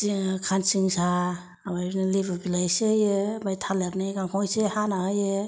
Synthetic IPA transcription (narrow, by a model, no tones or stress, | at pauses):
ikʰansɯŋsaː | bajnilebabilajsejɯbajtʰalaɾniɡaŋkʰɔjsehanaɦajɯ